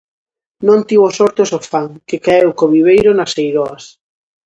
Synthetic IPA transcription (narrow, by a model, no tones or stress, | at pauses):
nõnt̪iwosɔɾt̪osofaŋkekaewkoβiβ̞ejɾonasejɾɔɐs